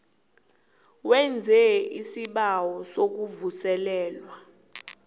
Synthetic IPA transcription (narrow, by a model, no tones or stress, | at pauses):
wɛnd͡zʱɛisiɓawɔsok̬uvusɛlɛːlwa